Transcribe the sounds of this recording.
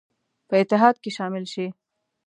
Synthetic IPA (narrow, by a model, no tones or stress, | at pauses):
pəɪt̪ːɪɦɑd̪̚keʃɑmɪlʃi